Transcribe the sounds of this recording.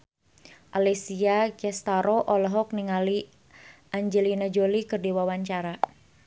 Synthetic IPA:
ʔalɛsiaɡɛst̪aɾoʔɔlɔɦɔk̚niŋali | ʔaɲd͡ʒɛlinad͡ʒolikɨrdiwawaɲt͡ʃaɾa

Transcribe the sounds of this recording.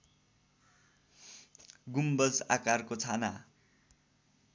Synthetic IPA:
ɡumbʌd͡za̰karkot͡sʰana

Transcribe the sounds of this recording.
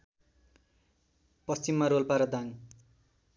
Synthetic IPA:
pʌst͡simːaɾolpaɾʌd̪aŋ

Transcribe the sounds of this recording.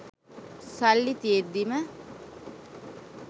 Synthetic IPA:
salːit̪ied̪ːimə

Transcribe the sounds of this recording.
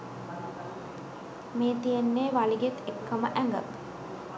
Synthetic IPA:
meːt̪ijenːeːʋaliɡet̪ekːəməʔæŋɡə̰

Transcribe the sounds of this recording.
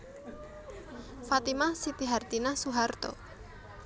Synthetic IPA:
fat̪imasit̪iɦart̪inasuɦart̪ɔ̰

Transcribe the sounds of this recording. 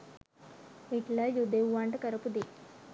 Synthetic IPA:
iʈlajud̪eʋaɳʈkəɾəpud̪e

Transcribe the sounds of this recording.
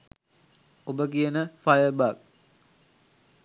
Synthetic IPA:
obəkijənəfajəbak̚

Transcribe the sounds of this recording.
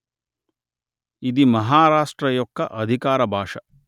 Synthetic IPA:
id̪imɐɦaːɾaːʂʈɾɐjɔkːɐʔɐd̪ʱikaːɾɐbʱaːʂɐ

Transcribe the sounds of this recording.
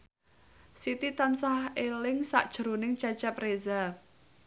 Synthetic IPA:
sit̪it̪ansahelɪŋsa̰ʔd̥ʒ̥ɾonɪŋt͡ʃat͡ʃapreza

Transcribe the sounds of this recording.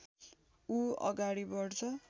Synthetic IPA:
uʌ̰ɡaɽibʌɽt͡sʰʌ

